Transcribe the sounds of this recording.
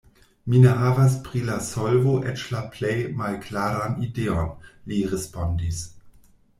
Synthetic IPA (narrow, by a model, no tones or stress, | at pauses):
mineɦavas̬pʁilasolvoʔɛt͡ʃlaplejmalklaɾanideonliɾespondis